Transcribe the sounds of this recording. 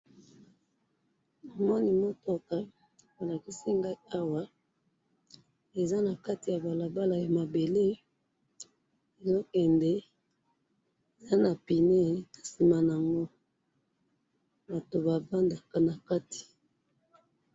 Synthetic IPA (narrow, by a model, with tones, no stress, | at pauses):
o˨mɔ˦ni˦mo˦to˦ka˨ | bo˨la˨ki˦si˦ŋɡa˦i˦a˦wa˦ | e˨za˦na˨ka˦ti˨ja˨ba˨la˨ba˦la˨ja˨ma˨be˨le˦ | e˨zo˦kɛ˨ndɛ˨ | e˨za˦na˨pi˨ne˦na˨si˨ma˨n˨a˨ŋɡo˦ | ba˨to˨ba˨ba˦nda˨ka˨na˨ka˦ti̥˨